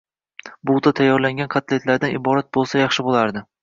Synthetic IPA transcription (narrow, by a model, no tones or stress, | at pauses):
bʊt̪at̪ʰajːɒɾlaŋʲanqʰɑt̪le̞t̪laɾd̪anɪbɒɾat̪̚bolˠsajɑχʃɪbolaɾd̪ɪ